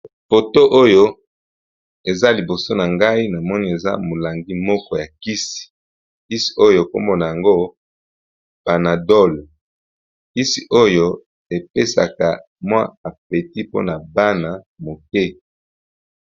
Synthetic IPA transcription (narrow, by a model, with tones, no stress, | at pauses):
fo˨to˦ʔo˦jo˦ | e˨za˦li˨bo˨so˦na˨ŋɡa˦i˦na˨mɔ˦ni˦e˨za̰˦mo˨la˨ŋɡi˦mɔ˦kɔ˦ja˨ki˦si̥˨ | ki˦si̥˨o˦jo˦˨ko˦mbo˨na˨ja˨ŋɡo˦ | b̥a˨na˨dɔ˦˨l | ki˦si˨ʔo˦jo˦ | e˨pe˦sa̰˨ka˨ | mwa̰˦a˨p̚e˨ti˦po̰˦na˨ba˦na˨ | mo˨kɛ˦